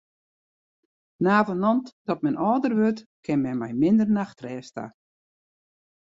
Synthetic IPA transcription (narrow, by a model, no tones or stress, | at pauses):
naːvənɔntd̥ɔt̚mɛnʔɔːdərʋøtkʰɪnmɛmɛjmɪndərnaxtrɛːsta̰